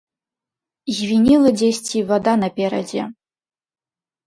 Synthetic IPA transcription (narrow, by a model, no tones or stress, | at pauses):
zʲvʲinʲilˠɐd͡zʲesʲt͡sʲivad̪anɐpʲeɾɐ̰d͡zʲɛ̰